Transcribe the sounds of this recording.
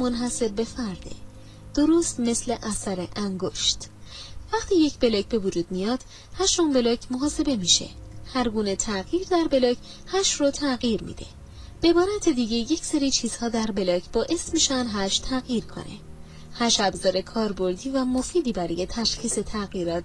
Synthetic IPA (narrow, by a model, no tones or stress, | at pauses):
mo̞nɦæse̞b̚be̞fæɾd̪̥e̞̰ | d̪̥o̞ɾost̪me̞sle̞ʔæsæɾeʔæŋɡoʃt̪væχt̪ʰiːje̞cʰbe̞lɒːcʰbe̞vod͡ʒuːd̪̥mijɒːd̪̥ | hæʃumbe̞lɒcʰmoɦɒːse̞be̞miʃe̞̰ | hæɾɡuːne̞t̪ʰæɣjiːɾd̪æɾbe̞lɒcʰ | hæʃrot̪ʰæɣiːɾmḭːd̪̥e̞̰ | b̥eebɒːɾæt̪ʰed̪iːɟe̞je̞cse̞ɾiːt͡ʃʰiːz̥hɒːd̪æɾbe̞lɒːcʰbɒːʔe̞smiːʃænd̪ɦæʃt̪ʰæɣjiːɾkʰo̞̰nʔe̞̰ | hæʃæbzɒːɾe̞kʰɒːɾbo̞ɾd̪iːvæmo̞fiːd̪iːbæɾɔje̞t̪ʰæʃxiːse̞t̪ʰæɣjiɾɒːt̪ʰ